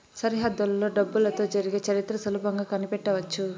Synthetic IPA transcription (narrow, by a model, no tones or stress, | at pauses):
sɐɾiɦɐd̪ːɐllo̞ːɖɐbːulɐt̪o̞ːd͡ʒɐɾiɡeːt͡ʃɐɾit̪ːɾɐsɐluːpɐŋɡaːkɐnipɛʈːɐʋɐt͡ʃːu